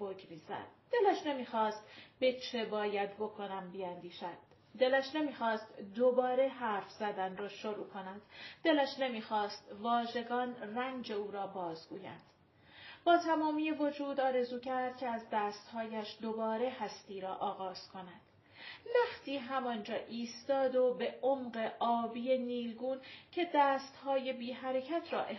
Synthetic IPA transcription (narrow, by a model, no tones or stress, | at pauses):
boɡmiːzæ̰d̪̥̚d̪̥e̞læʃne̞miːxɒːst̪b̥e̞t͡ʃʰe̞bɒːjæd̪bo̞kʰo̞næmbiænd̪iːʃæd̪̥ː | e̞læʃne̞miːxɒːst̪d̪o̞bɒːɾe̞ɦæɾfz̥æd̪ænrɒːʃoɾuːkʰo̞nænd̪̥d̪e̞læʃne̞miːxɒːst̪vɒːʒe̞ɡɒːnræŋd͡ʒe̞uːɾɒːbɒːzɡuːjæ̰nd̪̥ | b̥ɒːt̪ʰæmɒːmiːjevo̞d͡ʒuːd̪ɒːɾe̞zuːcʰæɾd̪̥̚cʰe̞æzd̪æːst̪hɒːjæʃd̪o̞bɒːɾe̞hæst̪iːɾɒːʔɒːɣɒːz̥kʰo̞næd̪̥ | næxt̪ʰiːɦæmɒnd͡ʒɒːʔiːst̪ɒːd̪obe̞ʔomɢe̞ʔɒːbiːje̞niːlɡuːncʰe̞d̪æːst̪hɒːje̞biːɦæɾe̞cʰæt̪ʰrɒːʔe